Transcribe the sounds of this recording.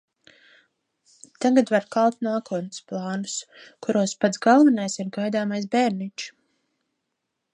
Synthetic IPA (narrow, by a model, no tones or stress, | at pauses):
t̪aɡad̪vaɾkalˠt̪naːkuɔt̪nɨsplˠɑːnuskuɾuɔspat̪sɡalˠvanajsiɾɡajd̪aːmajs̬bɛɾnit͡ʃ